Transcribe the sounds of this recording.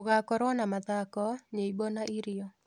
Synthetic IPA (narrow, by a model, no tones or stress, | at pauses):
ɣakɔɾwɔnamat̪akɔɲeibonaʔiɾɪɔ